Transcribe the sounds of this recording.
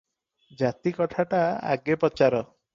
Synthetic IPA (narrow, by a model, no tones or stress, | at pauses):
d͡ʒat̪ikɔʈʰaʈaa̰ɡepɔt͡ʃaɾɔ